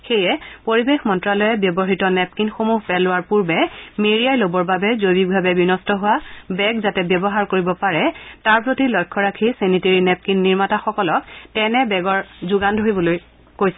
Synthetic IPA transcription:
xejɛpoɹibexmɔntɹalɔjɛbjɔbɔɦitɔnɛp̚kinxomuɦpɛlʊaɹpuɹbɛmeɹijajlobɔɹbabɛzojbik̚bʱabɛbinɔstɔɦʊwabɛɡzatɛbjɔbɔɦaɹkoɹibɔpaɹɛtaɹpɹotilɔjkʰːɔɹakʰiseniteɹinɛp̚kinːiɹmataxɔkɔlɔktɛnɛbɛɡɔɹzʊɡandʱoɦibɔloj | kojsɛ

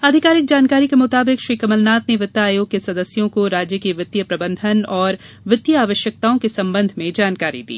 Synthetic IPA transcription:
ɐd̪ʱɪkaːɾɪk̚d͡ʒaːnkaːɾikemʊt̪aːbɪkʃɾiːkɐməlnaːt̪neʋɪt̪ːaaːjoːɡ̚kːesɐd̪əsjõkoɾaːd͡ʒjəkiʋɪt̪jəpɾɐbə̃nd̪ʱənɔːɾ | ʋɪt̪ːjəaːʋəʃjək̚t̪aːõkesɐ̃mbə̃nd̪ʱmẽd͡ʒaːnkaːɾḭd̪ḭː

